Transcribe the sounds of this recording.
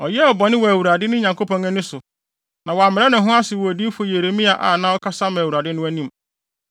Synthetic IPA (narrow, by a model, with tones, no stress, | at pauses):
ɔ˨jɛ˦ɔ˨bɔ˨nɪ̃˦wɔ˨æ˨wu˨ɾa˨dɪ˦nʊ̃˦ɲã˨ŋko˦pɔ̃˨ŋæ̃˦nʊ̃˦sʊ˨ | nã˨wɔ˨a˨mɪ̃˨ɾɛ˦nʊ̃˨ɦʊ̃˦a˦sɪ˨wɔ˨æ˨di˦fʊ˦je˨ɾe˨mĩ˦a˨ʔa̰˨nã˦ɔ˦kʰa˦sa˦m˨wu˨ɾa˨dɪ˦nʊ̃˦æ˦nĩ˦m